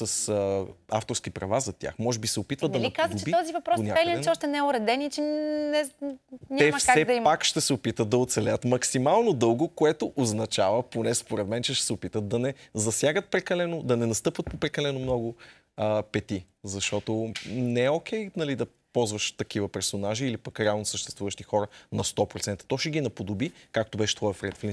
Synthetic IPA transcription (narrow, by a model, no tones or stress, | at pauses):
sɐs | aft̪oɾsk̟ipɾɐvazɐt̪ʲja̰xmɔʒɛbisɛopit̪vət̪d̪ɐnikazd̪ot͡ʃɛbit̪ɔzivɐpɾɔsnʲaalinsɛɔʃt̪ɛnɛʊɾɛd̪ɛnit͡ʃɛnɛɲʲɛmɐfsɛd̪ɐimpakʃt̪ɛsɛopit̪ət̪̚d̪ɐot̪sɛlɛət̪mɐksimalˠnod̪ɤlˠɡʊkoɛt̪oʔoznɐt͡ʃavəponɛspoɾɛd̪mɛnt͡ʃɛʃt̪ɛ̥sɛopit̪ət̪̚d̪ɐnɛzɐsjaɡət̪̚pɾɛkɐlɛnod̪ɐnɛnɐst̪ɤpvət̪̚popɾɛkɐlɛnomnɔɡʊ | əpɛt̪i | zɐʃt̪ɔt̪onɛːok̟ɛjnɐlid̪ɐ | pɔlˠzvəʃt̪ɐk̟ivəpɛɾsonaʒiːlipəkɾɛalˠnosəʃt̪ɛ̥st̪vuvəʃt̪ixɔɾənɐst̪ɔpɾot̪sɛnt̪ə̥t̪ɔʃɛɡinɐpod̪obikakt̪obɛʃɛ̥t̪ɔəfɾɛt̪fli